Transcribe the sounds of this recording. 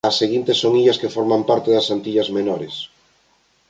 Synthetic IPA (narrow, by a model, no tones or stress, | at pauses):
ɐsːeɣint̪esoŋiʎɐskefɔɾmampaɾt̪eðɐsant̪iʎɐzmenɔɾes